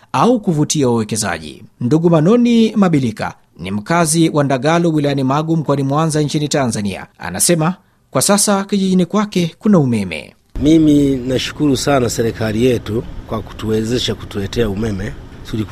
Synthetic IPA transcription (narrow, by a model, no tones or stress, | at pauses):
aukuvutiauwɛkɛza̰ʄḭnduɠumanɔnimaɓilika̰ | nḭm̩kaziwʔandaɠalɔwilajanimaɠum̩kwanimwanzaɲt͡ʃinitanzanḭa̰a̰na̰sɛma | kwasasakiʄiʄinikwakɛkunaumɛmɛ̰ | miminaʃu̥kuɾusanasɛɾɛkalijɛtukwaku̥tuwɛzɛʃaku̥tulɛtɛaumɛmɛ | tuli